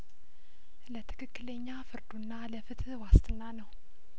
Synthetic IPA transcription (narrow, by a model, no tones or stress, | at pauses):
lət̪ʰɨ̥kʰɨkːɨləɲːafɨɾd̪unːaləfɨt̪ʰwast̪ɨnːanəw